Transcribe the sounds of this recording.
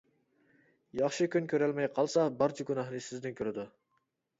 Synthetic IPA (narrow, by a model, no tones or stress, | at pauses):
jɑχʃɪkʲynkʲʰøɾælmɛjqʰɑlˠsɑbɑɾt͡ʃʰaɡʲunɑhnɪsɪzd̪ɪnkʲʰøɾɪd̪ʊ